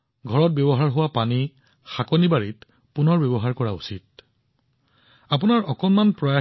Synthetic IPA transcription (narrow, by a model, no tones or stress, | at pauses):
ɡʱɔɹɔt̚bjɔbɔɦaɹɦʊwapani | xakɔnibaɹit | punɔɹbjɔbɔɦaɹkɔɹaṵsit̚ | ap̬unaɹɔkɔnmanpɹɔja